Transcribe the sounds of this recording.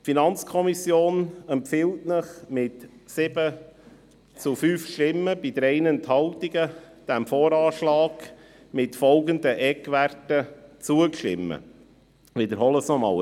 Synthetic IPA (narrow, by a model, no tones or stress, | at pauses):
finɑnt͡skʰɔmisjoːnɛmpfɪltnəχmɪtsɪb̥ə | t͡sʊfyːfʃtɪmːəbid̥̪əɾɛɪnənt̪hɑltiɡə | d̥æmfoːɾɑːʃlɑːɡ̥ | mɪtfɔlɡənd̪əʔɛkʋærtət͡suəkʃtɪ̰mːə̰ | ʋɪd̪əɾɦɔləsnɔmɑ̰ːl